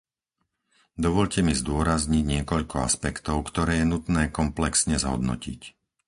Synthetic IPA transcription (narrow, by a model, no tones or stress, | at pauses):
d̪ɔʋɔʎcɛmizd̪ʊɔɾazɲiɟɲɪɛkɔʎkɔa̰spɛkt̪ɔʊkt̪ɔɾɛːjɛnut̪nɛːkɔmplɛksɲɛzɦɔ̰d̪nɔ̰cḭc